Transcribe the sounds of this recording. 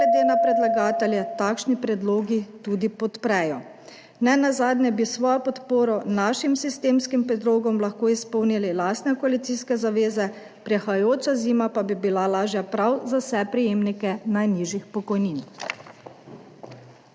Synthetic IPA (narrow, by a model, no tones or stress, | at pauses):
ɡlɛd̪eːnapɾɛd̪laɡaːt̪ɛljɛt̪aːkʃnipɾɛd̪loːɡit̪ud̪ipɔt̪pɾɛjɔ | nɛnazaːd̪nʲɛbisʋɔːjɔpɔt̪poːɾɔnaːʃimsist̪eːmskimpɾɛd̪loːɡɔmlaxkoːispɔwnililaːst̪nɛkɔalit̪siːskɛzaʋeːzɛ | pɾɛxajoːt͡ʃaziːmapabibilalaːʒjapɾawzawsɛpɾijeːmnikɛnajniːʒjixpɔkɔjnin